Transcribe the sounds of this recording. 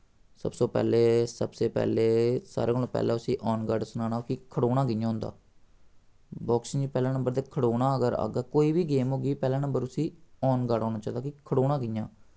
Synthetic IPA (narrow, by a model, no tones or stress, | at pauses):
sə̰bsoːpɛ̰ːleːsəbseːpɛ̰ːleːsa̰ːɾeːɡəlõːpɛ̰ːlãːʊsĩːʔɔːnɡəɖsʊnaːnaːkikʰəɽoːnãːɡɪjãːɦʊ̃nd̪a̰ː | bɔːksɪ̃ŋd͡ʒiːpɛːlãːnə̃mbəɾd̪eːkʰəɽoːnãːəɡəɾa̰ɡaːkoːiːbiːɡeːmɦoːɡiːpɛːlãːnə̃mbəɾʊsĩːɔːnɡaɽɦɔːnãːt͡ʃãːd̪aːkikʰəɽoːnãːɡɪjãː